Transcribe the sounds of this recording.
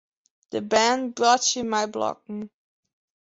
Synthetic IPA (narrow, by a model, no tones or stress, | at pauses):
ðɨbæ̃nbɹɔthɪ̃mmaɪblɔ̰k̚ŋ